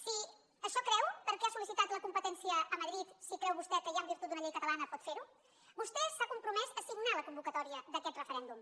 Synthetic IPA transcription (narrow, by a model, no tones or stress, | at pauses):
si | əʃɔkɾɛwpəɾkɛasulisit̪at̪ləkumpət̪ɛnsiəːməðɾit̪sikɾɛwβust̪ɛkəjambiɾt̪ut̪d̪unəʎejkət̪əlanəpɔt̪feɾu | bust̪ɛsakumpɾumɛzəsiɡnaləkumbukət̪ɔɾiəðəkɛt̪rəfəɾɛnd̪um